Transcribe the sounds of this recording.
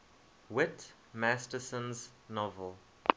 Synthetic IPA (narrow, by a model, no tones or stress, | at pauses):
wɪt | mæstəsə̃nz | nɔvəlˠ